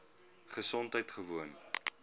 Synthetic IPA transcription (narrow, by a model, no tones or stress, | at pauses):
χəsɔntɦəjtχəvuən